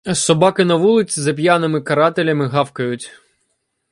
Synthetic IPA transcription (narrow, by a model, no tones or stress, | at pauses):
sɔbɑkɪnɐʋulˠɪt͡sʲizɐp̬ʲjanɪmɪkɐɾɑt̪elʲɐmɪɦɑwkɐjʊtʲ